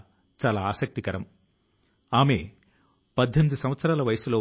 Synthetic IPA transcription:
t͡ʃaːlaːaːsɐk̚t̪ikɐɾɐm | aːme̞ː | pɐd̪ʱːenid̪usɐmʋɐt̪sɐɾaːlɐʋɐjɐsuloː

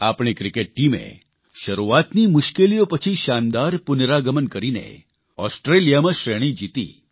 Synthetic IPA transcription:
apɳ̃ikɾikeʈ̚ʈimḛ | ʃəɾuat̪nimʊʃkelijopət͡ʃʰiʃand̪aɾpʊnɾaɡəmənkəɾinḛ | ɔsʈɾelijamãʃɾeɽ̃ĩd͡ʒit̪ḭː

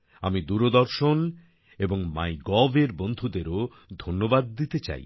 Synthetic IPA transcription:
amid̪uɾod̪ɔɾʃon | eboŋma̰jɡɔveɾbond̪ʱud̪eɾo | d̪ʱonːobad̪̚ːit̪et͡ɕa̰j

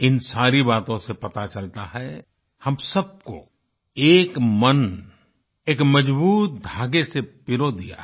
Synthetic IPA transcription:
ɪnsaːɾibaːt̪õsepɐt̪at͡ʃɐlt̪aɦɛ | hɐmsɐb̚ko̰ | eːkmən | eːkmɐd͡ʒbuːt̪̚d̪ʱaːɡesepɪɾod̪ḭja̰

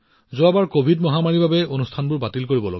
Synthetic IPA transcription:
zʊabaɹkobʱidmɔɦamaɹibʱabɛonustʰanbʊɹbatilkoɹibɔlo̰ɡɛ

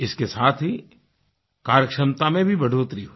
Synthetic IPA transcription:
ɪskesaːt̪ʰɦi | kaːɾjəkʃəmt̪amẽbʱibɐɖ̤ʱoːt̪ɾiɦo

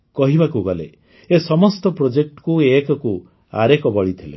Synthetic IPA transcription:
kɔɦibakuɡɔlḛ | esɔmɔst̪ɔpɾod͡ʒek̚ʈkuekɔku | a̰ɾekɔbɔɭit̪ʰilḛ

